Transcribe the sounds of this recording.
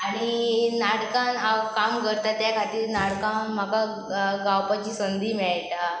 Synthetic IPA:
aɽ̃inaɽkãnakamkəɾt̪at̪jakʰat̪iːɾnaɽkãnm̤aka | ɡawpat͡ɕiːsənd̪ʱiːmɛɭajt̪a

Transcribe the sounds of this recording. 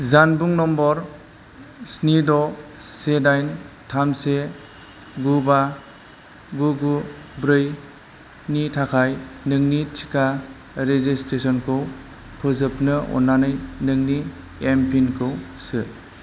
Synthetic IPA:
zanbuŋnɔmbɔɾ | snidɔsedajntʰamse | ɡuba | ɡuɡubɾɯj | nitʰakʰajnɯŋnitʰi̥kʰa | ɾezestɾesɔnkʰɯw | pʰɯzɯpnɯɔ̰nːanɯjnɯŋni | empʰinkʰɯwsɯ

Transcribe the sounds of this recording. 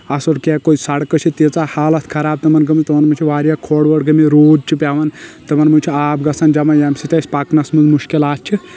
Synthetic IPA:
ɐsoʈkekoisɐɽkɐt͡ʃʰit̪it͡saːhaːlɐt̪ʰkʰɐɾaːb̚t̪ɐmɐnɡɐmit̪ɨmɐnmut͡ʃʰiʋaːɾjakʰoɽʋɐɽɡɐmiɾoːd͡ʒt͡ʃʰipʲjaːʋɐnt̪ɨmɐnmunʲt͡ʃʰiaːbɡɐsʰɐnd͡ʒɐmɐjɐmsit̪ɐsʲpaknɐsmunzmuʃkilaːtt͡ʃʰi

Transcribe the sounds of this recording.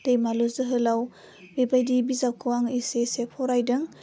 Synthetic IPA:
d̥ejmalɔzɯɦɯlaw | bebajdibizap̚kʰɯwaŋisesepʰɔɾajdɯŋ

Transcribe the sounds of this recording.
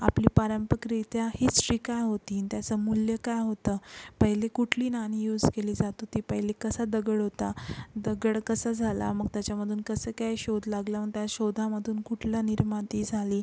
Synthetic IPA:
a̰pliːpaɾəmpəkɾit̪jahiːsɾiːkajɦot̪int̪jat͡səmuljəkajɦot̪əːpəɦilekuʈʰliːnanijuːd͡zkeliːd͡zat̪ɦot̪iːpəɦilekəsad̪əɡəɽɦot̪ad̪əɡəɽkəsəd͡zʱala̰məɡ̚t̪jat͡ɕjaməd̪ʱuːnkəsəːkajɕod̪ʱlaɡləməɡt̪jaɕod̪ʱaməd̪ʱuːnkuʈʰljaniɾmat̪iːd͡zʱaliː

